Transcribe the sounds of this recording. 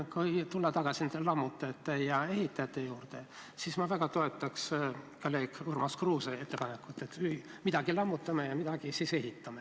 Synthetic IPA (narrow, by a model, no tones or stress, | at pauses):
kujt̪ulːɑt̪ɑɡ̥ɑsinyd̪elɑmːut̪ːˑɑjɑt̪ːejɑe̞ɦhit̪ːˑɑjɑt̪ːe̞juːrt̪e̞ | sismɑvæɡ̥ɑt̪o̞e̞t̪ːˑɑkskɑleːkurmɑskruːsee̞t̪ːe̞pɑne̞kːˑut̪ːˑe̞t̪yimid̪̥ɑɡilɑmːut̪ːˑɑmejɑmid̪̥ɑɡ̥isise̞ɦit̪ːˑɑme